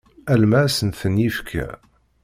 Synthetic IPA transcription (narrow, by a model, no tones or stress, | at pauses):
ælmæsənθənifkʰæ̰